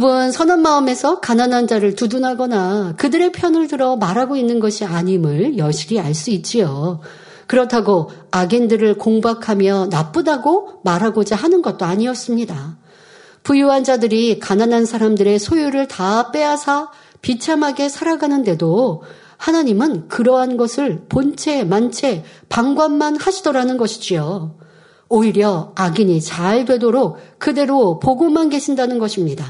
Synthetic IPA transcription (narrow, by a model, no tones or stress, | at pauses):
ibɯnsʰʌnanmaɯme̞sʰʌkananɦand͡ʑaɾɯɭtudunɦaɡʌnakɯdɯɾe̞pʰjʌnɯɭtɯɾʌmaɾɦaɡoinːɯnɡʌɕʰiaɲimɯɭjʌɕ͈ʰiɾiaɭs͈uit̚t͡ɕ͈ijo | kɯɾʌtʰaɡoaɡe̞ndɯɾɯɭkoŋbakʰamjʌnap͈ɯdaɡomaɾɦaɡod͡ʑaɦanɯnɡʌt̚t͈oaɲiʌs͈ɯmɲida | pujuɦand͡ʑadɯɾikananɦansʰaɾamdɯɾe̞sʰojuɾɯɭtap͈e̞ɦasʰa | pit͡ɕʰamɦaɡe̞sʰaɾaɡanɯnde̞do | hanaɲimɯnkɯɾʌɦanɡʌsʰɯɭpont͡ɕʰe̞mant͡ɕʰe̞paŋɡwanmanhaɕʰidoɾanɯnɡʌɕʰi̥d͡ʑijo | oiɾjʌaɡiɲit͡ɕaɭdwe̞doɾok̚kɯde̞ɾopoɡomanɡe̞ɕʰindanɯnɡʌɕʰimɲida